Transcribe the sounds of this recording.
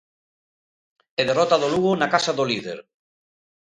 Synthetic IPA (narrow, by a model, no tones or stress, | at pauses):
eðerɔt̪aðoluɣonakasaðoliðḛɾ